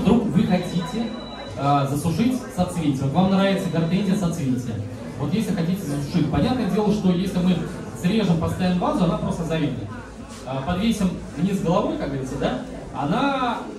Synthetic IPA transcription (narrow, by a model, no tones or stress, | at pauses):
vd̪ɾukvɨxɐtʲitʲɪ | əzəsʊʂɨtʲsɐt̪svʲinʲɪtʲɪot̪vamnɾavʲɪt̪səɡʲɐrt̪enʲzʲɪjəsɐt̪svʲinʲɪtʲɪə | vo̞t̪jesʲlʲɪxɐtʲitʲɪzəsʊ̥ʂɨtʲpɐnʲat̪nəjədʲe̞lˠəʂt̪o̞jesʲlʲɪmɨ | sɾʲe̞ʐɨmpəst̪ɐjanːbazʊɐnapɾo̞st̪əzɐɾʲibnʲə | əpɐd̪vʲesʲɪm | vnʲisɡəlˠɐvo̞jkak̚ɡəɾʲit̪ʲəd̪a | ɐna